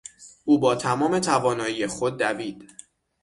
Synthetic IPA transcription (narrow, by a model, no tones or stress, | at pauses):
ʔuːbɒːt̪ʰæmɒːme̞t̪ʰævɒːnɒːjijexo̞d̪̚ːæviːd̪̥